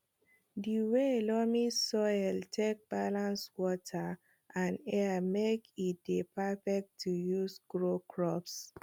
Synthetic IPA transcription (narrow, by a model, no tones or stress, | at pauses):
diwelɔmisɔjltʰek̚b̥alãnswɔtʰa | ʔãnɛamekit̚depafɛk̚tʰːujusɡɹokʰɹɔps